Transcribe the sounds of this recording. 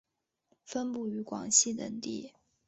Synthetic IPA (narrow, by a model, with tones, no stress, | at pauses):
fə˥npu˥˩y˧˥kwɑ̰˨˩ŋɕi˥˩t̪ə̰˨˩ŋt̪i˥˩